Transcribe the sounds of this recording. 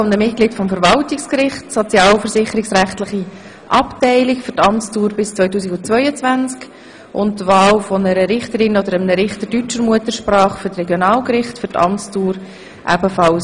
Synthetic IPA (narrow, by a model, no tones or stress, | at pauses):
ʊndəmɪt̚kliːtfɔmfəɾvɑltɪkskɾɪχtsɔt͡sjɑːlfəɾsɪχəɾɪksɾæχtlɪχi | ʔɑptɛɪlikfʏɾtɑmt͡stuːɾbɪst͡sʋœʏtuːsiɡʊnt͡svœʏət͡svænt͡sk | ʔʊnttːvɑːlfɔnəɾəɾɪχtəɾɪnɔd̪əɾəmnəɾɪχtədyt͡ʃəɾmuətəɾʃpɾɑːχføɾtrɛɡjonɑːlkɾɪχtfʏɾtɑ̰mt͡stuːɾ | ʔæ̰bəfɑl